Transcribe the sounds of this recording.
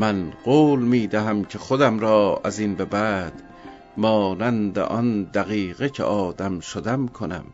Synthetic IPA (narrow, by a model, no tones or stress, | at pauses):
mænɢoːlmiːd̪æɦæmcʰeχod̪æmɾɒːæzinbebæːd̪̥ | mɒːnænd̪ḛʔɒnd̪æɣiːɣecʰḛʔɒːd̪æmʃod̪æmkʰonæ̰m